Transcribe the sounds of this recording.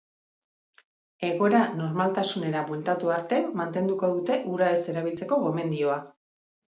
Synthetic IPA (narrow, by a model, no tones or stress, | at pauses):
e̞ɣo̞e̞ɾano̞ɾmalt̪asune̞ɾaβult̪at̪uaɾt̪e̞mant̪e̞nd̪uko̞ð̞ut̪e̞ʔuɾae̞se̞ɾaβ̞ilt͡se̞ko̞ɣo̞me̞nd̪io̞a